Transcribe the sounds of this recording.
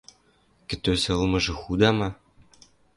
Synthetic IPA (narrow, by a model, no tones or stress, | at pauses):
kʲɘ̆t̪øsĕlˠmɤ̆ʒɤ̆xud̪ɑmɑ